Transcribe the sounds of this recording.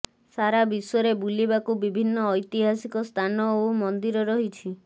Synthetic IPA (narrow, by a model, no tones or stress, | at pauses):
ssaɾabisɔɔɾebulibakubibʱinːɔːjt̪iɦasikɔst̪ʰanɔomɔnd̪iɾɔɾɔɦit͡ʃʰi